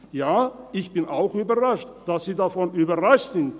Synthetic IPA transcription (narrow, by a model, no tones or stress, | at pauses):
jaːʔɪçb̥ɪnʔa̰ʊxyːbɐʁaʃtd̥asz̥iːdafɔnyːbɐʁaʃtz̥ɪnt